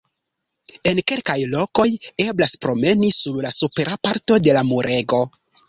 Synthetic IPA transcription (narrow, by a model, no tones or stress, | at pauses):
e̞nke̞lkajlo̞ko̞je̞blaspɾo̞me̞nisuɾlasupe̞ɾapaɾto̞de̞lamuɾe̞ɡo̞